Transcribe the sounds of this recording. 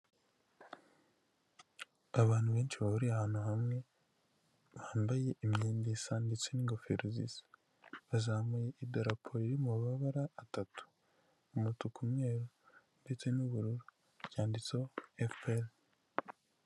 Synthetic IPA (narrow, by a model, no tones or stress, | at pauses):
aβaːn̥huβe̞ːnʃiβahuɾiahaːn̥huhamŋe̞ | βaːmbaje̞ʔimɲiːndisandet͡seniŋɡofeɾuzḭs | βazaːmujeʔidaɾapʰoiɾimuβaβaɾaːtatu̥ | umutukʰumŋeːɾo | ndet͡senuβuɾuɾu | jaːndit͡so̞efel